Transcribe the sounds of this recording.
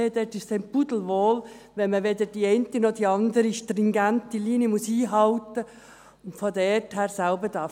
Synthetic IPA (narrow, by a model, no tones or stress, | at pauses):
ed̥ɛtɪʃtɛɪmpudl̩ʋoːl | ʋɛnməʋedədiɛɪntinɔd̥iɑnd̪əɾiʃtɾɪŋɡæntiliːnəmʊsiːɦɑlt̪ə | ʊntfɔdɛɛthæːɾsælbəd̥ɑ